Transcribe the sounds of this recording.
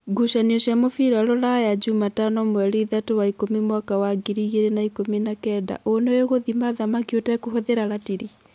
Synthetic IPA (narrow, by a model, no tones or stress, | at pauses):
ɡuʃaniɔʃjamofiɾaɾɔɾajad͡ʒumatanɔmwɛɾiðatowaikomimwakawaɡiɾiɣeɾenaikominakɛːda̰ʔonejoɣoðimaðamakiotɛkoɦɔðeɾaɾatiɾi